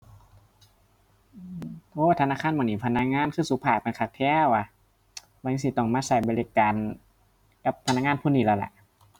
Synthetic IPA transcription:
oː˧a˧t̪ʰnaː˧˥˨kʰa˧˥˨mː˨˩˨niː˧˩pʰa˧na˧˥k̚ŋaː˧˥˨nkʰɯː˧˥˨suː˧˦pʰaː˧˩k̚pe˧˨nkʰaː˧˩k̚t̪ʰɛː˧˩˨wʔa˧ | ba˧ji˧si˧˦t̪ɔ˧˩ŋmaː˧˥˨sa˧˩˦jbɔ˧li˧kaː˨n | ka˧˩pʰa˧na˧˥ŋaː˧˥˨pʰuː˧˨niː˧˩la˧˨la̰˧˦ʔ

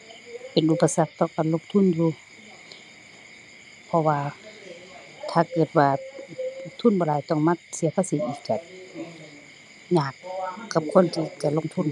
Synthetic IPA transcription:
pe˨nʔu˧pːa˧sa˧k̚t̪ɔː˧˨ka˨nlo˧˨k̚t̪ʰu˧˥˨njuː˧ | pʰɔ˧waː˧ | t̪ʰaː˧˩kɤː˧˩t̪̚waː˧ | t̪ʰu˧˥˨nbɔː˧˨laː˧˩jt̪ɔ˧˩˨ŋma˧˥˨t̪̚si˨˦ɐpʰaː˧˨si˧˦t̪̚ʔiː˧˩k̚t͡ɕa˧˩t̪̚ | ɲaː˧˩kːa˧˦p̚kʰo˧˥˨nt̪ʰiː˧ka˧˩lo˧˥˨ŋt̪ʰu˧˥˨n

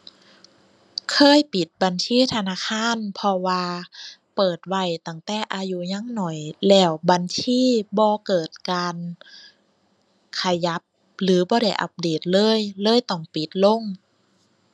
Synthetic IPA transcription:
kʰɤː˧˥˨jpi˨˦t̪̚ba˨nsiː˧˥˨t̪ʰa˧naː˧˥˨kʰaː˧˥˨npʰɔ˧waː˧pɤː˨˩t̪̚wa˧˩jt̪a˧˩ŋt̪ɛː˧˩ʔaː˧ju˧˦ɲa˧˥˨ŋnɔ˨˩jlɛː˧˩wbaː˧˨nsʰiː˧˥˨bɔː˧kɤː˨˩t̪̚kaː˧n | kʰa˧ja˦˥p̚ | lɯː˨˦bɔː˧˦ɾa˧˩jʔa̰˨˧˦p̚deː˨˩t̪̚lɤː˧˥˨jlɤː˧˥˨jt̪ɔ˧˩ŋpi˨˦t̪̚lo˧˥˨ŋ

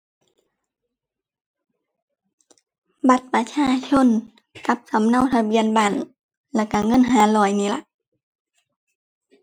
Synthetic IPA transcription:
ba˧˦t̪̚pa˧t͡ɕʰaː˧˥˨t͡ɕʰo˧˥˨n | ka˧˦p̚sa˨˦mna˧˨wt̪ʰa˧bi˧˨ə˨nbaː˧˩˨n | lɛ˧˩ka˧˩ŋɤ˧˥˨nɦaː˨˦lɔː˧˩jniː˧˨la˧˦ʔ

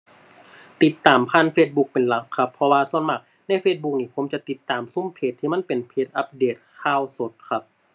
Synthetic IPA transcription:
t̪i˧˦t̪ːaː˨˩mpʰaː˧˥˨nfeː˧t̪̚bu˧˥k̚pe˨˩nla˨˦kʰːa˧pʰːɔ˧waː˧su˧˥˨ənma˧˩k̚ | na˧˥˨jfeː˧t̪̚bu˧˥k̚niː˧˩pʰo˨˦mt͡ɕa˨˧˨t̪i˧˦t̪ːaː˨˩msu˧˥˨mpʰeː˧˩t̪ʰːiː˧ma˧˥˨npe˨˩npʰeː˧˦˩t̪̚ʔa˧˥p̚deː˨˩t̪̚kʰaː˧˨wso˨˦t̪̚kʰa˧p̚

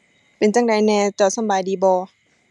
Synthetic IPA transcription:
pe˨nt͡ɕa˧˥˩ŋda˨˧jnɛː˧t͡ɕɔː˧˩sa˧˨baː˨jdiː˨˦bɔː˧˦

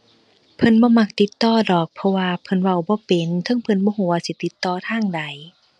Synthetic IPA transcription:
pʰɤ˧˥˨nbɔː˧˦ma˧˩k̚t̪i˧˦t̪ːɔː˧˩dɔː˨˩k̚pʰɔ˧waː˧pʰɤ˧˨nwa˧˩wbɔː˧˦pe˨˩nk̪ʰɯ˧˥˨ŋpʰɤ˧˥˨nbɔː˧˦ɦuː˧˩˦waː˧˩si˧˦t̪i˧˦t̪ːɔː˧˨t̪ʰaː˧˥˩ŋda˨˦j

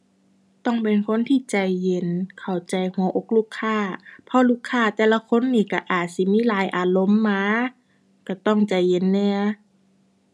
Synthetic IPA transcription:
t̪ɔ˧˩ŋpe˨nkʰo˧˥˨nt̪ʰiː˧˩˨t͡ɕa˨˧˩jːe˧˦nkʰa˨˩wt͡ɕa˨˩jhu˨˩˦ə˦ʔo˧˦k̚luː˧˥˩kʰːaː˧˩pʰɔ˧˥luː˧˥˩kʰːaː˧˩˨t̪ɛː˧˩˨la˧kʰo˧˥˨nːiː˧˩ka˧˩ʔaː˨˩t̪̚si˧˦miː˧˥˨laː˨˦jʔaː˧˩lo˧˥˨mːaː˧˥ | ka˧˩t̪ɔ˧˥˩ŋt͡ɕa˨˩jːe˧˨nːɛ˧˨

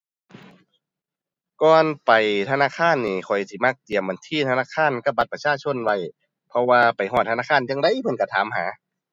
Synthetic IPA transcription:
kɔː˧npa˨jt̪ʰa˧naː˧˥˨kʰaː˧˥˨nːiː˧˩kʰɔ˨˩jsiː˧˩ma˧˨k̚t̪i˨˩əmba˨˦nt̪ʰiː˧˥˨t̪ʰa˧naː˧˥˨kʰaː˧˥˨nka˧˩p̚ba˧t̪̚pa˧˩t͡ɕʰaː˧˥˨t͡ɕʰo˧˥˨nwa˧˩j | pʰɔ˧waː˧pa˨˩jɦɔː˧˩t̪̚ʰːa˧naː˧˥˨kʰaː˧˥˨nt͡ɕa˧ŋda˧˥˨jpʰɤ˧˦nka˧˩t̪ʰaː˨˦mhaː˨˦

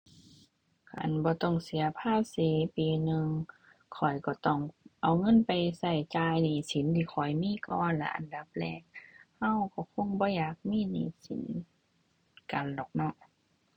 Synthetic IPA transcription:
kʰa̰˨nbɔː˧˦t̪ɔ˧˩ŋsi˨˦ɐpʰaː˧˥˩p̚si˨˦piː˨nɯ˧ŋ | kʰɔ˨˩jkɔ˧˩t̪ɔ˧˩ŋʔa˨˩wŋɤ˧˥˨npa˨jsa˧˩jt͡ɕaː˧jniː˧˩si˨˦nt̪ʰiː˧˩xʰɔ˨˩jmiː˧˥˨kɔː˧nla̰˧ʔa̰˨nda˧˦p̚lɛː˧˩k̚ha˧˥˨wkɔ˧˩kʰo˧˥˨ŋbɔː˧˦jaː˨˩k̚miː˧˥˨nḭː˧˨si˨˦n | ka˨˩ndɔː˨˩k̚nɔ˧˨

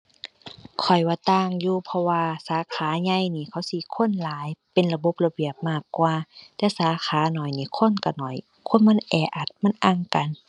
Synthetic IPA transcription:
kʰɔ˨˩jwaː˧˩t̪aː˧˨ŋjuː˧pʰɔ˧waː˧saː˨˦kʰaː˨˦ɲa˧˨jniː˧˩kʰa˧˦wsi˧˦kʰo˧˥˨nlaː˨˦jpe˨nla˧bo˧˦p̚la˧bi˨˩əp̚maː˧˥˩kːwaː˧t̪ɛː˧saː˨˦kʰaː˨˦nɔ˨˩jniː˧˩kʰo˧˥˨nka˧˩nɔ˨˩j | kʰo˧˥˨nma˧˥˨nʔɛː˨˩ʔa˨˩t̪̚ma˧˥˨nʔa˧˩˨ŋka˨n

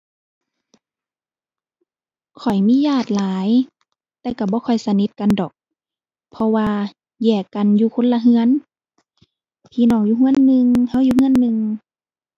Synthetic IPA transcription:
kʰɔ˨˩jmiː˧˥˨jaː˧˩t̪̚laː˨˦j | t̪ɛː˧ka˧˩bɔː˧˦kʰɔ˨˩jsa˧ni˧˦t̪̚ka˨ndɔː˨˩k̚ | pʰɔ˧waː˧ | jɛː˧˩ka˨njuː˧kʰo˧˥˨nla˧ɦɯ˧ə˨n | p̪ʰiː˧˨nɔː˧˩ŋjuː˧ɦu˧˥ə˨nːɯ˧ŋha˧˥˨wjuː˧hɯ˧˥˨nːɯ˧ŋ

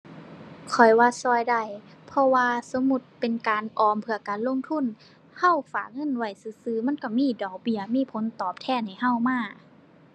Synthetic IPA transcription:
kʰɔ˨˩jwaː˧sɔː˧˩˨jda˧˩jpʰɔ˧waː˧so˧˦mːu˧˦t̪̚pe˨nkaː˨nʔɔː˨˧mpʰɯ˧ɐkaː˨nlo˧˥˨ŋt̪ʰu˧˥˨n | ha˧˥˨wfaː˨˩k̚ŋɤ˧˥˨nwa˧˩jsɯː˧˦sɯː˧˦ma˧˥˨nka˧˩miː˧˥˨dɔː˨˩k̚bi˧˩ɐmiː˧˥˨pʰo˨˦nt̪ɔː˨˩p̚t̪ʰɛː˧˥˨nha˨˩jɦa˧˥˩wmaː˧˥˩

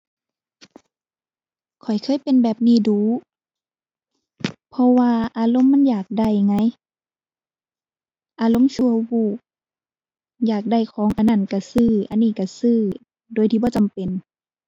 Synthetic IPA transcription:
kʰɔ˨˩jkʰɤː˧˥˨jpe˨nbɛː˨˩p̚niː˧˩˨duː˨˧˦ | pʰɔ˧waː˧ʔaː˨˧lo˧˥˨mːa˧˥˨njaː˨˩k̚da˧˩jŋa˧˥˨j | ʔaː˨˧˦lo˧˥˨mt͡ɕʰu˧əbuː˧˩k̚ | jaː˨˩k̚da˧˩jkʰɔː˨˦ŋʔa˧na˧˩˨nka˧˩sɯː˧˩ʔa˧˨nːiː˧˩ka˧˩sɯː˧˨ | doː˨jt̪ʰiː˧bɔː˧˦t͡ɕa˨mpe˨n

